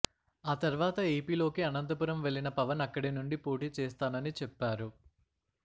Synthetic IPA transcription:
aːt̪ɐɾʋaːt̪ɐeːpiːlo̞ːkiɐnɐnt̪ɐpuɾɐmʋe̞ɭːinɐpɐʋɐnɐkːɐɽinuɳɖipoːʈiːt͡ʃɛːst̪aːnɐnit͡ʃɛpːaːɾu

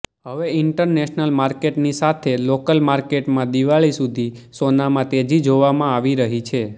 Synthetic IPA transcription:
ɦəʋeɪɳʈəɾneʃnəlmaɾkeʈnisat̪ʰelokəlmaɾkeʈmãd̪iʋaɭisud̪ʱisonamãt̪ed͡ʒid͡ʒoʋamãaʋiɾəɦit͡ʃʰe

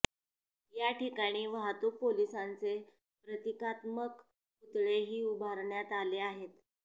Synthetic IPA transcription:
jaʈikaɽ̃iːʋaɦt̪upolisãnt͡se | pɾət̪ikat̪mək | ut̪ɭeɦiːubʱaɾɳjat̪aleaɦet̪

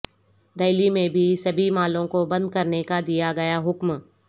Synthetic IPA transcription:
d̪ɐɪlimẽbʱisɐbʱimaːlõkobɐ̃nd̪̚kɐɾnekad̪ijaɡɐjaɦʊkm

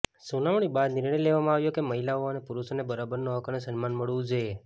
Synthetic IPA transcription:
sunaʋɳ̃ibad̪nɪɾɳəjleʋamãaʋjokeməɦilaoənepuɾuʃonebəɾabəɾnoɦəkənesənmanməɭʋũd͡ʒoje

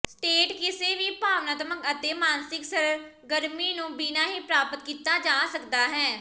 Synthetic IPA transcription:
sʈeːʈkɪseːʋiːpaːʋnaːt̪əməɡət̪eːmaːnsɪksəɾ | ɡəɾmiːnũːbiːnaːɦiːpɾaːpət̪kiːt̪aːd͡ʒaːsəkd̪aːɦɛː

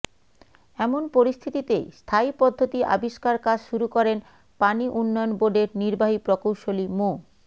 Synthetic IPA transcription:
ɛmonpoɾist̪ʰit̪it̪ḛst̪ʰaipɔd̪ʱːot̪iʔa̰biʃkaɾkad͡ʑʃuɾukɔɾen | paniʔunːɔjonboɖeɾniɾbaɦipɾokowʃolimo

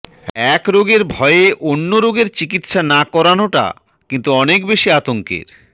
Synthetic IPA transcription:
ɛkɾoɡeɾbʱɔeeʔonːoɾoɡeɾt͡ɕik̬it̪ʃanakɔɾanoʈa̰ | kint̪uɔnekbeʃiat̪oŋkḛɾ

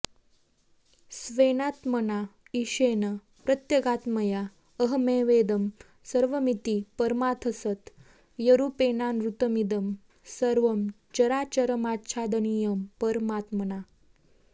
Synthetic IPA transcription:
sʋenaːt̪məna | iɕenə | pɾət̪jəɡat̪məja | əɦmeʋed̪əm | səɾʋəmit̪ipɐɾmat̪ʰəsət̪ | jɐɾupenanɾut̪əmid̪əm | səɾʋəm | t͡ʃɐɾaːt͡ɕəɾəmatɕʰaːd̪ənijəmpəɾmat̪məna

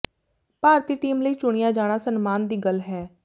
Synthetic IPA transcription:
paːɾt̪iːʈiːmləiːt͡ʃʊɽ̃ɪjaːd͡ʒaːɽ̃aːsənmaːnd̪iːɡəlɦɛː

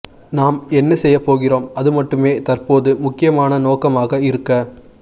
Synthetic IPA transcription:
naːmɛnːɐsɛjːɐpːoːɣɪroːmɐðɯmɐʈːɯmeːt̪ɐrpoːðɯmʊkːɪjɐmaːnɐnoːkɐmaːɣɐɪɾɯkːɐ

